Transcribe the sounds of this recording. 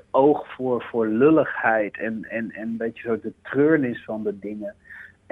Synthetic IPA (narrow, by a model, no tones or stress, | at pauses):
owχfʊːɹfʊːɹløləχhɛjtʰɛnɛnɛnəbejtəzot̚dətrøːɹnɪsfɑndədɪŋə